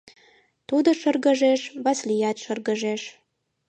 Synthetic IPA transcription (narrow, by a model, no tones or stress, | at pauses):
t̪ud̪əʃərɣəʒeʃβɑslijæt̪ʃərɣəʒeʃ